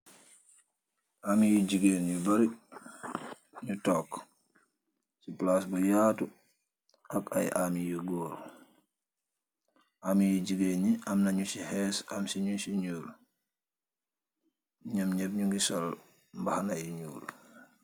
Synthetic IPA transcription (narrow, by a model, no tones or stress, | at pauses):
ʔamijid͡ʒiɡeːnɲubaɾi | ɲutɔːk | siplasbajaːtu | ʔaka̰jʔamijiɡoːɾ | ʔamijiɟiɡenɲiʔamnaɲusihɛːsamsiɲusiɲuːl | ɲamɲɛbɲuŋɡisɔl | mbahanajiɲuːl